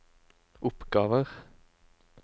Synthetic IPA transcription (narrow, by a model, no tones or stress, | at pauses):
ʔʊpɡɑːʋəʁ